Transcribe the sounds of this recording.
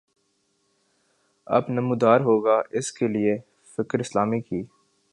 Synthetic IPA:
ɐ̰bnɐmuːd̪aːɾɦoːɡaɪskelie | fɪkɾɪslaːmikiː

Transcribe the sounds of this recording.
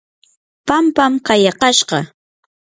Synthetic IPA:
pampamqɑjɑqɑʃɢɑ

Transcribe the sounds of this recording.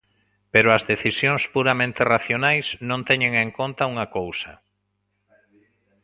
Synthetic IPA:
peɾʊɐzðeθisjõŋspuɾamẽnt̪eraθjonajsnõnt̪ɛɲẽŋeŋkont̪auŋakowsɐ̰

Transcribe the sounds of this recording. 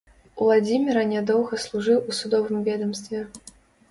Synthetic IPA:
ulˠad͡zʲimʲiɾɐnʲɛd̪ɔwɣɐslˠuʐɨwusud̪ɔvɨmvʲɛd̪ɐmst̪vʲɛ

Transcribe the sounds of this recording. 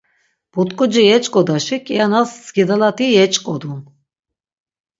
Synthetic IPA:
b̥ut̪kʼɔd͡ʒijɛt͡ʃkʼɔd̪aʃikʼianasːɡʲid̪alat̪ijɛt͡ʃʼkʼɔd̪un

